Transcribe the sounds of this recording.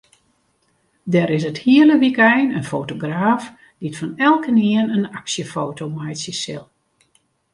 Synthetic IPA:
dɛɾɪsəthiələʋikɛjnənfowtoɡraːf | d̥itfɔnɛlˠkəniənənaksjəfoːtowmajsisɪ̰lˠ

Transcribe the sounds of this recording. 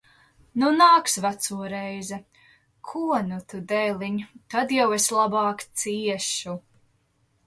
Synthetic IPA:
nunaːksvat̪suɔɾɛjzɛ | kʰuɔnut̪ud̪ɛjlˠiɲt̪ad̪jaweslˠabɑːkt̪siɛʃu

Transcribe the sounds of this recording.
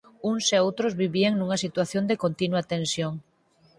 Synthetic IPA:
uŋseowt̪ɾozβiβiaŋnuŋɐsit̪waθjond̪ekont̪inwat̪ensjoŋ

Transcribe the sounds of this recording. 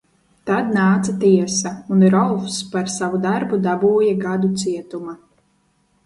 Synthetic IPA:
t̪ad̪̚naːt̪sat̪iɛsaunɾɔlˠfspaɾsavud̪aɾbud̪abuːjaɡad̪ut̪siɛt̪uma

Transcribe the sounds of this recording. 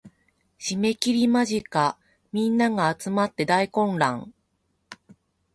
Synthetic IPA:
ɕime̞kʲiɾʲimaʑika | mʲĩnːaɡaːt͡sɨmat̪ːe̞d̪aikõ̞nɾã̰ŋ

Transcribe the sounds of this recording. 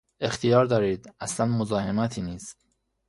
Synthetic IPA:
e̞xt̪ʰijɒːɾd̪ɒːɾiːd̪æslænmozɒːhe̞mæt̪ʰiːniːst̪

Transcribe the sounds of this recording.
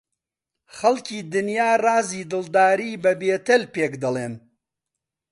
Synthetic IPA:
χɐlkiːd̪ɨnjaːrɑːziːd̪ɨlˠd̪aːɾiːbɐbeːt̪ɐlpeːkd̪ɐlˠeːn

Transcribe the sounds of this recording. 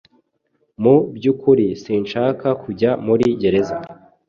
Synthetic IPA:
mubɟukuɾisiːnʃaːkakuɟamuɾiɟe̞ɾe̞za

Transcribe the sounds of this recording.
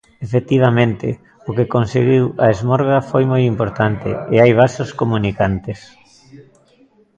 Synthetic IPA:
efet̪iβ̞ɐmẽnt̪ɪ̰ | ʊkekonseɣiwɐezmɔɾɣɐfojmojimpoɾt̪ant̪ɪ̰ɪajβ̞asoskomunikant̪ɪs

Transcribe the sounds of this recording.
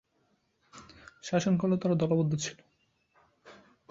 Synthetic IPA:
ʃaʃonkolet̪aɾad̪ɔlabod̪ʱːot͡ɕʰilo

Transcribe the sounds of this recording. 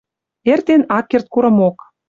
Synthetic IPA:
ert̪enɑkːert̪̚kuɾɤ̆mok

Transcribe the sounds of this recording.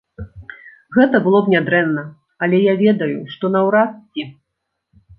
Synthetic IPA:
ɣɛt̪ɐbɨlˠɔbnʲad̪ɾɛnːɐ | ɐlʲɛjavʲɛd̪ɐjuʂt̪ɔnɐwɾast͡sʲi

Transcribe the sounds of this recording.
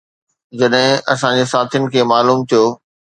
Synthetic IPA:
d͡ʑɐɗɦɪ̃ɐsãd͡ʑeːsaːt̪ʰijʊnɪ̆kʰeːmaːluːmt̪ʰijoː

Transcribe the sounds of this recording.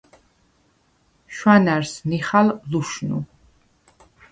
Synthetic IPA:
ʃwanaɾsniχalluʃnṵ

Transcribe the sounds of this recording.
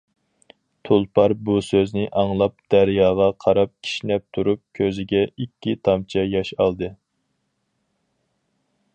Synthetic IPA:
t̪ʰolˠpʰɑɾbusøznɪʔɑŋlˠɑp̚d̪̥æɾjɑːʁɑqʰɑɾɑp̚kʲʰi̥ʃnɛp̚t̪ʰuɾup̚kʲʰøzɪɡʲɛikʲʰːit̪ʰɑmt͡ʃʰɛjɑʃɑlˠd̪ɨ

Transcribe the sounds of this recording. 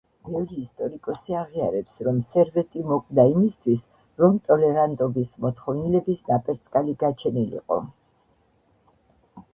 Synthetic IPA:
bɛvɾiːst̪ʼɔɾikʼɔsiaʁiaɾɛpsɾɔmsɛɾvɛt̪ʼimɔkʼd̪aimist̪ʰwis | ɾɔmt̪ʼɔlɛɾant̪ʼɔbismɔt̪χɔvnilɛbisnapʼɛɾt̪sʼkʼaliɡat͡ʃʰɛnilḭqʼɔ̰

